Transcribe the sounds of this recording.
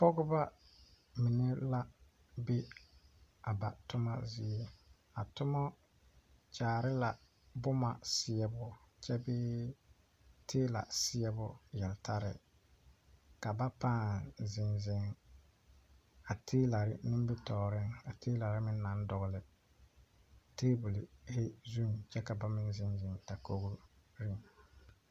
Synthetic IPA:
pɔ˦ɡʊ˦ba˦ | mɪ˨ne˦la˦ | bɪ˦ | a˨ba˨tʊ˦ma˦zi˦e˦ | a˨tʊ˦mɔ˦ | t͡ʃaː˨ɾɪ˦la˨ | bʊ˦ma˨sɪ˦ɛ˦bʊ˦t͡ʃɛ˦bɪ˦ | tʰeː˦la̰˨sɪ˦ɛ˦bʊ˦jɛ˨lta˦ɾɪ̰˨ | ka˨ba˦paː˦zɪ˨nzɪ˦ŋ | a˨tʰeː˦la˨ɾɪ˦nɪ˦mbɪ˦tɔː˨ɾɪ˦ŋa˨tʰeː˦la˨ɾɪ˦mɪ˦nː˦a˨˦n˦dʊ˨ɣʊ˦lɪ˨ | teː˦bu˨lɪ˨he˦zu˦mt͡ʃɛ˦ka˨ba˦mɪ˦nzɪ˨nzɪ˨ŋta˨ko˦ɡu˦ɾɪ˦ŋ

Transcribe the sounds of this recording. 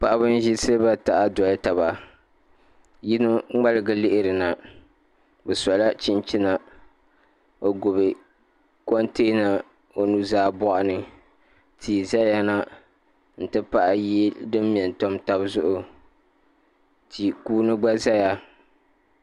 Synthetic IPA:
pa˨ʔa˦bɨ˦n˦ʒi˦sɨ˦lɨ˦ba˦ta˨ʔa˦dɔ˨lta˨βa˨ | ji˦nɨ˦ŋ͡ma˦lɨ˨ɡɨ˦lɪ˦ʔɪ˦ɾɨ˨na˨ | bɛ˨sa˨la˦t͡ʃi˦nt͡ʃi˦na˨ | o˨ɡʊ˨βɨ˨ | ko˦nteː˦na˨ | o˨nu˦zaː˦bɔ˦ʔa˦nɨ˨ | tʰiː˨za˦ja˦na˦ | n̩˨tɨ˦pa˦ʔa˦ji˦dɨ˦m˦mi˨ɛ˨n˨to˦mta˦bzʊ˦ʔʊ˨ | tʰi˨kuː˦nɨ˦ɡ͡ba˦za˦ja˨

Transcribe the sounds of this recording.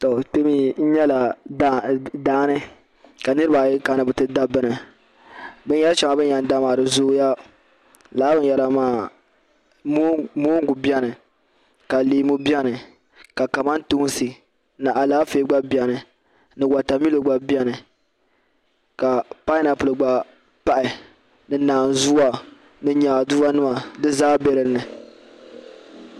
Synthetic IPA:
tɔ˨te˦mi˦n̩˦ɲɛ˦la˨˦ | daː˦nɨ˦ | ka˨nɨ˦ɾɨ˦ba˨jka˨˦nɨ˨bɨ˨tɨ˦da˦bɨ˦nɨ˨ | bɨ˦n˦ɛ˦lʃa˨ma˨bɨ˦a˨n˦da˦ma˨ɾɨ˨zʊ˦ja˦ | laː˨˦bɨ˦n˦jɛ˨ɾa˨maː˦˨˦ | moː˦ŋ˦ɡu˨bi˦ɛ˦nɨ˨ | ka˨liː˨˦mu˦bi˦ɛ˦nɨ˨ | ka˨ka˨ma˦n˦tu˦sɨ˨ | na˨ʔa˨laː˦feː˦ɡ͡ba˦bi˨ɛ˨nɨ˨ | nɨ˨wa˨ta˨mi˦lo˨ɡ͡ba˨bi˦ɛ˦nɨ˨ | ka˨pa˦ɪ˦na˨pʊ˨lɨ˨ɡ͡ba˨ | pa˦ʔɪ˨ | nɨ˨naː˨n˨zu˦a˨ | nɨ˦ɲaː˨du˦ba˦nɨ˦ma˨dɨ˦zaː˦be˦ɾɨ˨˦nɨ˨

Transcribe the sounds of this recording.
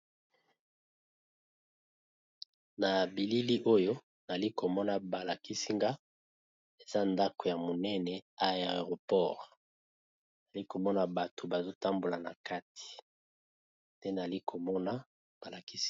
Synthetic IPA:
na˨bi˨li˦li˦ʔo˦jo˦ | na˨li˦ko˨mɔ˦na˨ba˨la˨ki˦si˦ŋɡa˦ | e˨za˦nda˦ko˨ja˨mo˨nɛ˦nɛ˨a˦˨ʁo˨pɔ˦ʁ | na˨li˦ko˨mɔ˦na˨ba˨tʰo˨ba˨zo˦ta˦mbo˨la˨na˨ka˦tʰi̥˨ | te˦na˨li˦kʰo˨mɔ˦na˦ | b̥a˨la˨ki˦s

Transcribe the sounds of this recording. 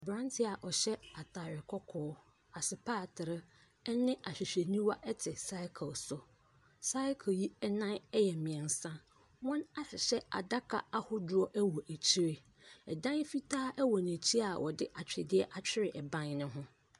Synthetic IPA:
bɾã˦ntʰɪ˦a˨ʔɔ˨ɕɛ˦a˨tʰa˨ɾɪ˨kʰɔ˦kʰɔː˦ | a˨sɪ˨pʰaː˦˨tʰɪ˨ɾɪ˦ | ɛ˦nɪ̃˦ʔa˨ɕᶣi˨ɕᶣe˨nĩ˦wa˦ʔɛ˦tʰɪ˨sa˦ɪ˦kʰə˨lsʊ˨ | sa˦ɪ˦kʰə˨ji˦ɛ˦nã˦nɛ˦jɛ˨mɪ̃˨ɛ̃˨n˨sã˦ | wɔ̃˦na˦ɕɪ˨ɕɛ˦a̰˨da˦kʰa̰˨a˦hʊ˦dʊ˦ɾɔ˦ʔæ˦wɔ˨ʔæ˨t͡ɕʰi˦ɾe˦ | ɛ˨dã˦n˦fi˦tʰaː˦ʔɛ˦wɔ˨n˨æ̃˨t͡ɕʰi˦a˨wʔɔ̰˨dɪ˦ʔa˨t͡ɕᶣɪ˨dɪ˦ɛ˦ʔa˨t͡ɕᶣʰɪ˦ɾɪ˨ʔɛ˨bã˦nnʊ̃˦ɦʊ̃˦

